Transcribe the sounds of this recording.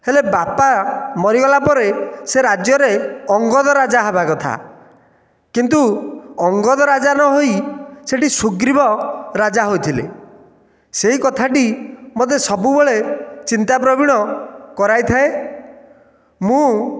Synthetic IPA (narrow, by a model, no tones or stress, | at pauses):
helebapamɔɾiɡɔlapɔɾeseɾad͡ʒjɔɾeɔŋɡɔd̪ɔɾad͡ʒaɦabakɔt̪ʰa̰ | kint̪uɔŋɡɔd̪ɔɾad͡ʒanɔɦojseʈisuɡɾibɔɾad͡ʒaɦojt̪ʰilḛ | seɦikɔt̪ʰaʈimod̪esɔbubeɭet͡ʃint̪ap̬ɾɔbiɽ̃ɔkɔɾajt̪ʰae | mũ